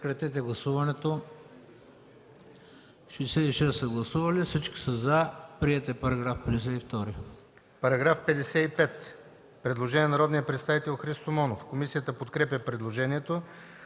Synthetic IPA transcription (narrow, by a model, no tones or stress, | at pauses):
kɾɐt̪ɛt̪ɛɡlˠɐsuvɐnɛt̪o | ʃisɛiʃɛsːɐɡlˠɐsuvɐlifsit͡ʃki̥səzɐpɾiɛt̪ɛpɐɾɐɡɾafpɛd̪ɛs̬ɛift̪ɔɾi | pɐɾɐɡɾafpɛd̪ɛsɛipɛt̪ | pɾɛd̪lˠoʒɛniɛnɐɾɔd̪nijəpɾɛt̪st̪avit̪ɛlˠxɾist̪omɔnofkomisijət̪əpot̪kɾɛpʲjəpɾɛd̪lˠoʒɛniɛt̪o